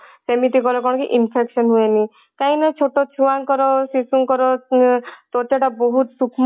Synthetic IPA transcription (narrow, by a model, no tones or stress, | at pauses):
semit̪ikɔɾɔkɔ̃ɔkḭʔinpʰeksɔnɦueni | kaĩnat͡ʃʰoʈot͡ʃʰuaŋkɔɾɔsisuŋkɔɾɔ | t̪ɔt̪aʈaboɦut̪sukʰm